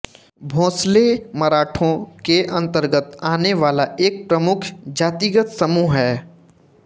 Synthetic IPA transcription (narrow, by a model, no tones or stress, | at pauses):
bʱõːslemaɾaːʈʰõkeʔɐ̃nt̪əɾɡət̪aːneʋaːlaʔeːk̚pɾəmʊkʰd͡ʒaːt̪iːɡət̪səmuːɦɦɛː